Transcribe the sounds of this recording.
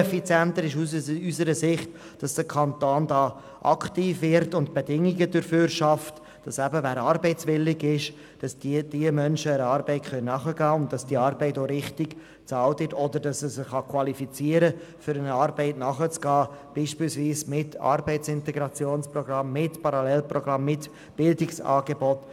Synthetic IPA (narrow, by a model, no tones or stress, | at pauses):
ɛfit͡sjɛnt̪əɾɪʃysəɾəzɪχt | d̥ɑsd̥əkʰɑnt̪oːndɑː | ʔɑ̰ktiːfvɪɾtʊntb̥edɪŋiɡədøɾføːɾʃɑft | d̥ɑsæbəvæːɾɑːɾbɛɪt͡svɪlːɪɡɪʃ | d̥ɑsd̥d̥iəmœnʃəəɾəɑːɾbɛɪtχœnnːɑχəɡɑːʊnt̚d̥ɑsd̥iɑɾbɛɪtoːɾɪχtɪɡ̥ | t͡sɑːltvɪtɔdəɾdɑsəsəχɑkʰwɑlifit͡siːəɾəfʏɾənɑːɾbɛɪtnɑχət͡sɡ̥ɑːb̥iːʃpiːlsviːsmɪtɑ̰ɾbɛɪt͡sɪntɛɡɾɑt͡sjoːnsprɔɡɾɑmːɪtpɑɾɑlɛlprɔɡɾɑmːɪt | b̥ɪldɪksɑ̰ːɡebɔt